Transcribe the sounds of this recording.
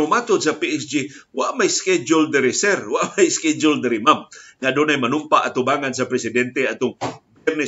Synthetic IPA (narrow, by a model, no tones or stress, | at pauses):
ʊmat̪ʊd̪sapiʔɛsd͡ʒiwaʔmajskɛd͡ʒʊld̪ɪɾɪsɛɾwaʔmajskɛd͡ʒʊld̪ɪɾɪmamŋad̪unajmanʊmpaʔat̪ʊbaŋans̬apɾɛsɪd̪ɛnt̪eat̪ʊŋbɛrnɛ